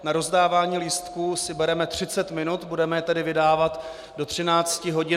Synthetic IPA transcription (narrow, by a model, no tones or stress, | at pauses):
naɾo̞zdaːvaːɲiːlist̪kusɪbɛɾɛmɛt̪r̝̥ɪt͡sɛt̪mɪnut̪budɛmɛjɛt̪ɛdɪvɪdaːvat̪ | do̞t̪r̝̥ɪnaːt͡scɪɦo̞ɟɪ